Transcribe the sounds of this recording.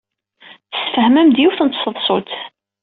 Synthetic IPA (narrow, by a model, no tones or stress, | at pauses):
θə̥sfəhmæmd̪juθənt̪səðˤsˤot̪